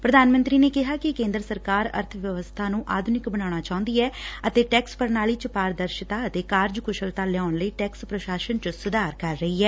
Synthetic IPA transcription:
pɾəd̪aːnmə̃nt̪ɾiːneːkɪɦaːkɪkẽːnd̪ɾəsəɾkaːɾə̰ɾt̪ʰəʋjəʋəst̪ʰaːnũːʔaːd̪ʱʊnɪkbəñaːɳ̃aːt͡ʃaːʊ̃nd̪iːɛːət̪eːʈɛːkspəɾnaːliːt͡ʃəpaːɾd̪əɾʃɪt̪aːət̪eːkaːɾd͡ʒkʊʃəlt̪aːlɛjaːʊɳləiːʈɛːkspɾəʃaːʃənt͡ʃəsʊd̪aːɾkəɾːəɦiːɦɛː

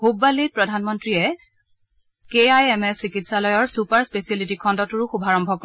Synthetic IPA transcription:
hubalit̚pɹɔdʱanmɔntɹiɛ | keajɛmɛsikitsalɔjɔɹsupaɹspesialitikʰɔndɔtuɹʊxubʱaɹɔmbʱɔkɔ

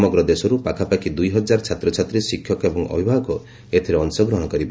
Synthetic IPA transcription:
mɔɡɾɔd̪esɔɾupakʰapakʰid̪ujɦɔd͡ʒaɾɔt͡ʃʰat̪ɾɔt͡ʃʰat̪ɾisikʰjɔkebɔŋɔ̰bʱibʱaɦɔkɔ | et̪ʰiɾeɔnsɔɡɾɔɦɔ̃ɽɔkɔɾib

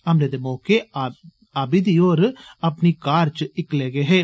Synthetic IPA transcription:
ɐmled̪emoːke | ɐbɪd̪ijoːɾɯɐpːnikaːɾt͡ʃɨɪkːleːɡeɦe

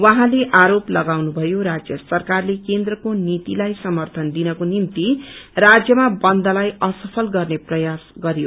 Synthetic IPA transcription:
wãɦãleʔaɾoplʌɡawnubʱʌjoɾad͡zjʌsʌrkarlekend̪rʌkonit̪ilajsʌmʌrt̪ʰʌnd̪inʌkonimt̪irad͡zjʌmabʌnd̪ʌlajʌsʌpʰʌlɡʌrneprʌjasɡʌɾjo

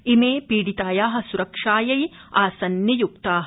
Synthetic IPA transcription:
imeːpiːɽit̪aːjaːɦɐ̆suɾɐkʂaːjɐjaːsɐnjɐjuk̚t̪aːɦɐ

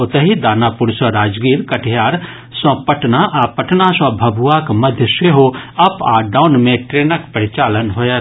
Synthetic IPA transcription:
ot̪əɦid̪aːnaːpʊɾsə̃ɾaːd͡ʒɡiːɾkɐʈʰjaːɾ | sə̃pəʈnaʔaːpəʈnasɔ̃bʱɐbʱuʋakmɐd̪ʱjəʃeɦoɐpaːɖaːʊnmẽʈɾeːnəkpəɾɪt͡ʃaːlənɦoːja

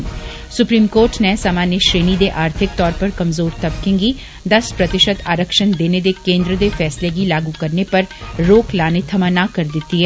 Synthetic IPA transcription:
sʊpɾiːmkoːɾʈnesaːmaːnjəʃɾeːnid̪eʔaːɾt̪ʰɪk̚t̪ɔːɾpɐɾkɐmzoːɾt̪ɐbkẽŋɡi | d̪ɐspɾɐt̪ɪʃət̪aːɾəkʃənd̪eːned̪ekẽːnd̪ɾəd̪efɛːsleɡilaːɡukɐɾnepɐɾɾoːklaːnet̪ʰɐmaːnakɐɾd̪ɪt̪ːiɦɛː

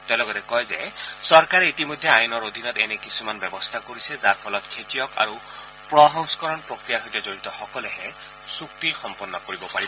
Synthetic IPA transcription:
tɛlɔɡɔtɛkɔjzɛ̰sɔɹkaɹɛitimɔjdʱːɛajunɔɹod̪ʱinɔtɛnɛkisumanbɛbɔst̪ʰakoɹisɛzaɹpʰɔlɔtkʰetijɔka̰ɹu | pɹɔɦɔŋskɔɹɔnpɹokɹijaɦojtɛzoɹitɔxɔkɔlɛɦɛ | suk̚tixɔmpɔnːɔkoɹibɔpaɹibɔ

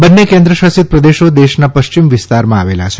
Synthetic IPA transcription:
bənːekẽnd̪ɾəʃasit̪̚pɾəd̪eʃod̪eʃnapəʃt͡ʃimʋɪst̪aɾmãaʋela̰t͡ʃʰe

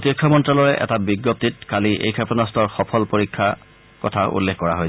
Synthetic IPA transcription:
otikʰːɔmɔntɹalɔɹɛʔɛ̰tabiɡjop̚tit̚kaliʔḛjkʰɛpɔnɔstɔɹxɔpʰɔlpoɹikʰːa | kɔtʰaʔṵlːexkɔɹaɦojs

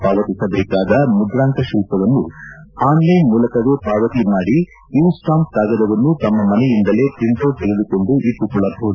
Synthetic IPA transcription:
paːʋɐt̪isɐbɛːkaːd̪ɐmud̪ɾaːŋkɐʃilp̪ɐʋɐnːuhaːnlɐjmuːlɐkɐɾupaːʋɐt̪imaːɽi | insʈaːmpt̪aːɡɐd̪ɐʋɐnːut̪ɐmːɐmɐnɛjind̪ɐle̞ːt̪int̪oːt̪eɡed̪uko̞ɳɖuʔip̪ːukːuɭɐbʱoːd̪

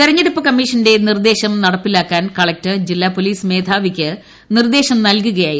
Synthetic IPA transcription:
t̪iɾɐɲːeɽupːɨkɐmːiːʂɐnde̞nird̪e̞ːɕɐmnɐɽɐpːilaːkːaːnkɐɭɐk̚tɨd͡ʑilːaːpo̞liːsme̞ːd̪ʱaːʋikʲːɨ | nird̪e̞ːɕɐmnɐlkuɣɐjaːji

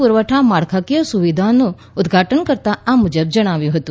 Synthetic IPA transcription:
puɾʋəʈʰamaɽkʰakijosuʋid̪ʱanũ | ʊd̪ɡʱaʈənkəɾt̪aamud͡ʒəb̚d͡ʒəɽ̃aʋjũɦət̪ũ

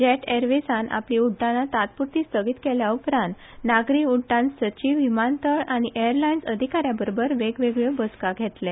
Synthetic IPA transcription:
d͡ʑeʈeɾʋesanʔa̰pliuɖːãnːat̪at̪̚puɾt̪iːst̪əɡit̪kɛljaupɾãnt̪naɡɾiuɖãnsət͡ɕiʋimant̪əɭañiʔejəɾlainsəd̪ʱikaɾjabəɾobəɾʋeɡʋeɡɭebəskaɡʱɛt̪le

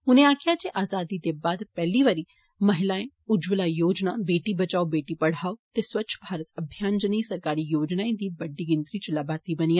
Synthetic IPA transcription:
ʊnẽaːkʰɪjat͡ʃeʔaːzaːd̪id̪ebaːd̪pɛɦliʋaːɾi | mɐɦɪlaːẽ | ʊd͡ʒʋlajoːd͡ʒnabeːʈibɐt͡ʃaːobeːʈipɐɽ̤aːot̪eswɐːt͡ʃʰbʱaːɾət̪ɐbʱjaːnd͡ʒənəĩsɐɾkaːɾijoːd͡ʒnaːẽd̪iːbɐɖːiɡɪnt̪ɾit͡ʃlabʱaːɾt̪ibɐniːa

